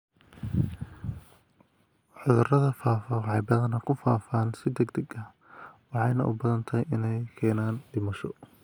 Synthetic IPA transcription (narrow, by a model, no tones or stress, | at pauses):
ʕʊðʊrɐðɐfaːfɐħɑjbɐðɐnɐkʰʊfaːfaːnsɪd̪ɛɡd̪ɐɡɐ | wɑħɑjnɐʔʊbɐðɐnt̪ʰɐjʔɪnɛjkʰɛːnaːnd̪ɪmɐʃɔ